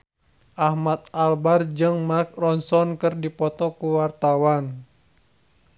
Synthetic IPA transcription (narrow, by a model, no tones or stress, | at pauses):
ʔahmat̪̚albard͡ʒɨŋmark̚rɔnsɔnkɨrdipɔt̪ɔkuwart̪awan